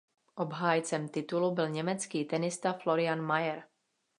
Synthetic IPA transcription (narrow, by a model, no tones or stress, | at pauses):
ʔobɦaːjt͡sɛmt̪ɪt̪ulubɪlɲɛmɛt͡skiːt̪ɛnɪst̪aflo̞ɾɪanmajɛɾ